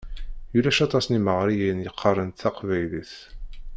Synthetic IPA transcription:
julæʃɑt̪ˤɑsniməʁɾijiənjəqʰːərˤːənt̪θɑqvæjliθ

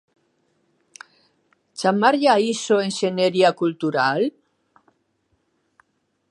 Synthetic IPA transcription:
t͡ʃamaɾʎaisoenseneɾiakult̪uɾal

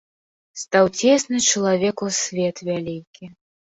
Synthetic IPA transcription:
st̪awt͡sʲɛsnɨt͡ʂɐlˠavʲɛkusʲvʲɛt̪vʲalʲikʲʰi

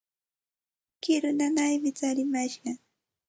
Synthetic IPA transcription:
kɪɾʊnanajmɪt͡saɾɪmaʃɢɑ

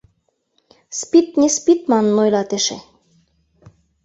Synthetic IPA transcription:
spit̪̚nʲespit̪mɑnːojlɑt̪ɘ̆ʃḛ̆

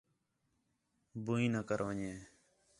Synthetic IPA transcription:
buĩːnəkəɾʋəɲẽː

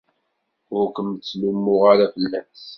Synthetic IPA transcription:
ʊɾkəmt͡sːlimːʊʁaɾafəlːæs

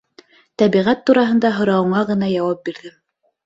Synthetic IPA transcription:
t̪æβiʁæt̪ːuɾɑɦɤ̆nd̪ɑɦŏɾɑwɤ̆ɴɑʁɤ̆nɑjɑwɑp̚biɾðɘm

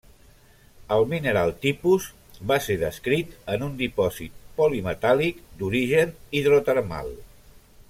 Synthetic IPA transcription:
əlˠminəɾalˠt̪ipuz | βaseðəskɾit̪ənund̪ipɔzḭt̪̚polimət̪alikd̪uɾiʒəniðɾot̪əɾma̰lˠ

